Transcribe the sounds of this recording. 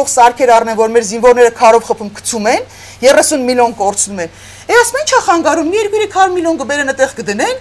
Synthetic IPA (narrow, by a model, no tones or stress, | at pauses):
ɔχsɑɾkʰɛɾɑrnɛnvɔɾmɛɾzinvɔɾnɛɾəkʰɑɾɔvχəpʰumkʰə̥t͡sʰumɛn | jɛrɛsunmiljɔnkɔɾt͡sʰnumɛn | ɛɑsmɑint͡ʃʰɑχɑŋɡɑɾumːijɛɾkujɾɛkʰɑɾmiljɔnɡəbɛɾənət̪ɛʁkəd̪ənɛn